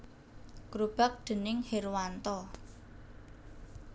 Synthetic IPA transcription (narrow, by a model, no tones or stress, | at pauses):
kɾub̥a̤k̚d̪̥ə̤nɪŋherwant̪ɔ